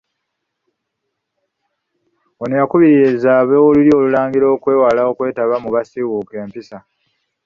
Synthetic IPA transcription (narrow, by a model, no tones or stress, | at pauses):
onujakuβiɾiezaːβeolulio̞ːlulaːŋɡiɾo̞ːkwe̞ːwalaokwe̞ːtaβamuβasiwuke̞ːmpisa